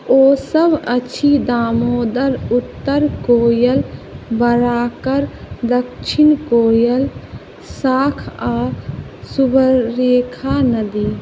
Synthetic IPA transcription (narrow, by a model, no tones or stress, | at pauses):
oːsəbʱət͡ʃʰid̪aːmoːd̪əɾut̪ːəɾkoːjəlbəɾaːkəɾd̪əkʃʰɪnkoːjəl | saːkʰaːsubəɾeːkʰanəd̪i